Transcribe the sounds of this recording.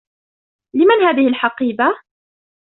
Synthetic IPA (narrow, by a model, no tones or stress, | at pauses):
lɪmanhaːðɪhɪlħɑqiːba